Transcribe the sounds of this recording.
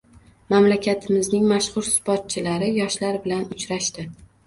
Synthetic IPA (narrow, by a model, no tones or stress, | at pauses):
mamlakʲʰat̪ʰɪmɪznɪŋmaʃχʊɾsbɒt̪̚t͡ʃʰɪlaɾɪjɒʃlaɾbɪlanʊt͡ʃɾaʃt̪ɪ